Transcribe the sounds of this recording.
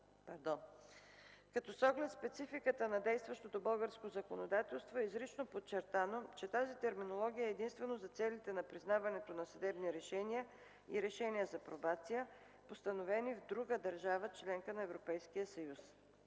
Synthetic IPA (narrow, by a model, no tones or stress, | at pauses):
pɐɾd̪ɔ | kɐt̪ɔsɔɡlɛt̪spɛt̪sifikət̪ənɐd̪ɛjst̪vɐʃt̪ot̪obɤlˠɡəɾskozɐkonod̪at̪ɛlˠst̪voɛizɾit͡ʃnopott͡ʃːɛɾt̪anot͡ʃɛt̪azit̪ɛɾminolˠɔɡ̟ijəɛːd̪inst̪vɛnozɐt̪sɛlit̪ɛnɐpɾiznavɐnɛt̪onɐsɐd̪ɛbniɾɛʃɛniə | iɾɛʃɛniəzɐpɾobat̪sijə | post̪ənovɛnivd̪ɾuɡəd̪ɐɾʒavət͡ʃlɛŋkənɐɛvɾopɛjskijəsɐjus